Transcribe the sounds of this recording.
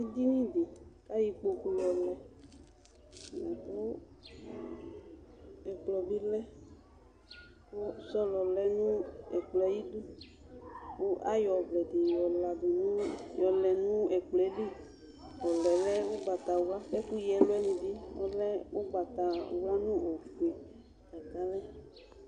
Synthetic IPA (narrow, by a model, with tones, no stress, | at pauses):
i˦d̪i˦nĩ˦de˨ka˦ji˨k͡po˨ku˨lɔ˨lɛ˨ | la˨xo˦ | ɛ˨k͡plɔ˨bi˦lɛ˦ | ko˦sɔ˦lɔ˨lɛ˦nũ˦ɛ˨k͡plɛ˦ji˦du˦ | wo˦ʔa˦jɔ˨blɛ˨di˨jɔ˨la˨du˨nu˦jɔ˨lɛ˨nũ˦ɛ˨k͡plɛ˨˦li˦ | wɔ˨lɛ˨lɛ˦wo˦ɡ͡ba˨t̪a˨wu˦la˦fɛ˦ku˦jɛ˨˦lo˦ɛ˦nĩ˨bi˦ɔ̰˦lɛ˦wo˦ɡ͡ba˨t̪a˨wla˦nũ˦o˨fu˨e˨ | a˨ɡa˦lɛ˦